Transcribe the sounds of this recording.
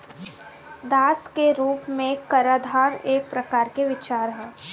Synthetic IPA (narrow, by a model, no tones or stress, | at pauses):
d̪aːskeɾuːpmẽkɐɾaːd̪ʱaːɾeːk̚pɾɐkaːɾkeʋɪt͡ʃaːɾɦɛː